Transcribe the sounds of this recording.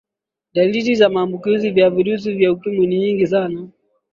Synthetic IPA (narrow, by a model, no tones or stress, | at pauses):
ɗaliɾizamaːmbukizivjaviɾus̬ivjautumɛniɲiŋɡisana